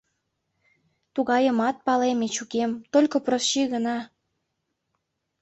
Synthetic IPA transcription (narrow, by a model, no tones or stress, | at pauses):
t̪uɣɑjəmɑt̪̚pɑlemet͡ɕukemt̪olʲkoprosʃiɣənɑ